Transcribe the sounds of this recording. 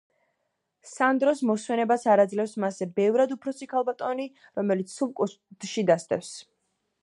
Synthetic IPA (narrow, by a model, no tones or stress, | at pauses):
sand̪ɾɔsmɔswɛnɛbasaɾad̪zlɛfsmazɛbɛvɾad̪upʰɾɔsikʰalˠbat̪ʼɔni | ɾɔmɛlit̪sʰsulkʼu | d̪ʃid̪ast̪ɛ̰fs